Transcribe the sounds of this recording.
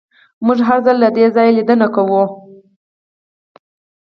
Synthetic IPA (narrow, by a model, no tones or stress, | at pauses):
muʒɦaɾzəlːad̪ezɑjlid̪ənakawu